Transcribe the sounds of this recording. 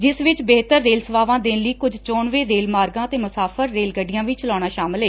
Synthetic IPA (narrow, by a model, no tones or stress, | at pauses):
d͡ʒɪsʋɪt͡ʃbeːt̪əɾːeːlsəʋaːʋãːd̪ɪnləiːkʊd͡ʒʱt͡ʃɔːɳʋeːɾeːlmaːɾɡãːt̪eːmʊsaːfʰəɾːeːlɡəɖːɪjãːʋiːt͡ʃəlɔːɽ̃aːʃaːmɪlɦeː